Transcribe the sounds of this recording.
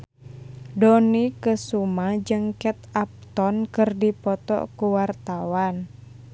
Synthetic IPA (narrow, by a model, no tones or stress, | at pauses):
dɔnikəsumad͡ʒəŋkɛt̪ap̚t̪ɔnkɨrdipɔt̪ɔ̰ʔkuwart̪awan